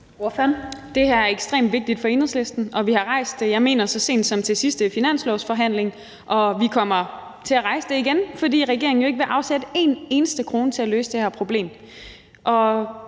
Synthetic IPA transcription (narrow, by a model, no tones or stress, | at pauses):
oføɐnd̥e̝hæɐæɐeɡ̥sd̥ʁḛːmd̥ʋe̝ɡ̥̚d̥id̥fɒ̽e̝nh̩ˠslesd̥n̩ɒ̽ʋihɑ̈ʁɑ̈ɪ̰sd̥ejɑ̈ɪme̝̰ːnɐsɒ̽se̝̰ːnd̥sɒ̽mt͡sʰe̝sisd̥əfinæn̰slɒʊsfɒ̽ɦæn̰leŋ | ʔɒ̽ʋikʰɒ̽m̰ɐ | t͡sʰe̝æʁɑ̈ɪsəd̥e̝iɡ̥enfɒ̽dḭːʁɛɡ̥e̝ɐeŋ̩joe̝ɡ̥əʋe̝ʔɑ̈ʊsed̥əe̝̰ne̝ːnəsd̥əkʰʁo̝ːnət͡sʰe̝æløːsəd̥ehæɐpʰʁo̝b̥le̝̰ːm | ʔɒ̽